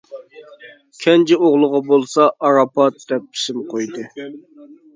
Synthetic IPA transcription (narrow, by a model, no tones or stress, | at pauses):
kʲʰɛnt͡ʃʰɪoʁlˠʊʁɑbolˠsɑʔɑɾɑpʰɑt̪̚d̪ɛp̚ːʰi̥sɪmqʰojd̪ɨ